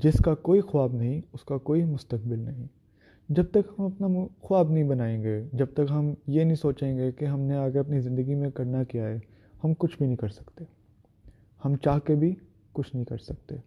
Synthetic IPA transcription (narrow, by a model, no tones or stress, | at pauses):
d͡ʒɪskakoːixʊwaːbnɐɦĩʊskakoːimʊst̪ək̚bɪlnɐɦĩ | d͡ʒɐb̚t̪ɐkɦɐmɐpnaxʊaːbnɐɦĩbɐnaːẽːɡed͡ʒɐb̚t̪ɐkɦɐmjenɐɦĩsoːt͡ʃẽːŋɡekeɦɐmneaːɡeɐpnizɪ̃nd̪əɡimẽkɐɾnakijaɦɛː | hɐmkʊt͡ʃʰbʱinɐɦĩkɐɾsɐ̥kt̪eː | hɐmt͡ʃaːɦkebʱi | kʊt͡ʃʰnɐɦĩkɐɾsɐk̚t̪eː